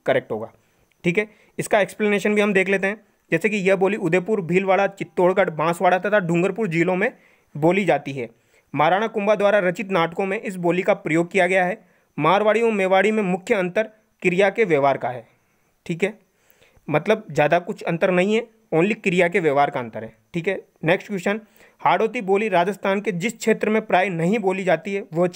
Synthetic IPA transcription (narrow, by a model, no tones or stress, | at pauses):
kɐɾɛːk̚ʈɦoːɡa̰ː | ʈʰiːkɦɛː | ɪskaeːkspleneːʃənbʱiɦɐmd̪eːkʰleːt̪̬eɦɛ̃ | d͡ʒɛːsek̬ijɐboːliʊd̪eːpʊɾbʱiːlʋaːɭat͡ʃɪt̪ːoːɽkaʈbãːsʋaːɽaːt̪at̪ʰaɖʊ̃ŋɡəɾpʊɾd͡ʒiːlõmẽ | boːlid͡ʒaːt̪iɦɛː | maːɾaːɽ̃akʊ̃mbad̪ʋaːɾaɾɐt͡ʃɪt̪naːʈkõmẽʔɪs̬boːlikapɾɐjoːɡ̚kijaɡɐjaɦɛː | maːɾʋaːɽiomeːʋaːɽimẽmʊkʰjəɐ̃nt̪əɾ | kɪɾɪjakeʋjeːʋaːɾkaɦɛː | ʈʰiːkɦɛː | mɐt̪ləb̚zjaːd̪akʊt͡ʃʰɐ̃nt̪əɾnɐɦĩɦɛ | oːnlikɪɾijakeʋjeːʋaːɾkaɐ̃nt̪əɾɦɛːʈʰiːkɦɛː | neːksʈkɪʃən | haːɽoːt̪̬iboːliɾaːd͡ʒəst̪ʰaːnked͡ʒɪskʰʃʰeːt̪ɾəmẽpɾaːjnɐɦĩboːlid͡ʒaːt̪iɦɛʋəɦ